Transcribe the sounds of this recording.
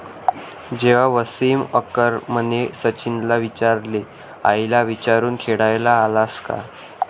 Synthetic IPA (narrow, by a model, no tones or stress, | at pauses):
d͡ʑeʋaʋəsiːməkəɾm̤ənesət͡ɕinlaʋit͡ɕaɾle | a̰jlaʋit͡ɕaɾuːnkʰeɽajlaːlaska̰